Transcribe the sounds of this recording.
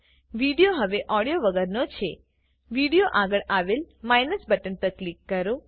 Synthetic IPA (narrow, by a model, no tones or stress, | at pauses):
ʋiɽijoɦəʋeʔɔɽijoʋəɡəɾnot͡ʃʰe | ʋiɽijoʔaɡəɭʔaʋelmajnəsbəʈənp̪əɾklikːəɾo